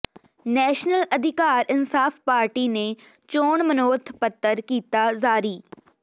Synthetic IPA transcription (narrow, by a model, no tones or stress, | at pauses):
nɛːʃnəlɐd̪ʱɪkaːɾɪnsaːfpaːɾʈine | t͡ʃoːɳmənoːt̪ʰpət̪ːəɾkiːt̪azaːɾiː